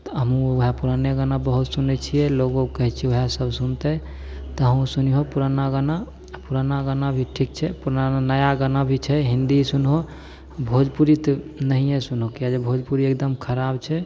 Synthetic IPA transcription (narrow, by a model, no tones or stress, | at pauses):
t̪ɔɦəmũoɦapuɾaneɡənabəɦut̪sunet͡ʃʰijɛloɡokəɦɛt͡ʃʰioɦasəbʱsunt̪ə | t̪ɔɦəmũsuniɦopuɾanaɡəna | puɾanaɡənabʱiʈʰik̚t͡ʃʰɛpuɾananəjaɡənabʱit͡ʃʰɛɦind̪isunɦo | bʱod͡ʒpuɾit̪nəɦijẽsunɦokijad͡ʒebʱod͡ʒpuɾiek̚d̪əmkʰəɾabt͡ʃʰɛ